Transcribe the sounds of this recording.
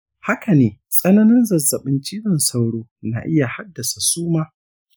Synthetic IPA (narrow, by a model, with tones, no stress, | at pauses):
ha˦ka˨neː˨sʼɐ˦nɐ˦nɪ˦nzɐ˨zːɐ˨ɓɪ˦nt͡ʃiː˦ɽɪ˨nsa˦wɽoː˦na̰ː˨ʔɪ˦ja˨ha˦dːɐ˨sa˨suː˦maː˦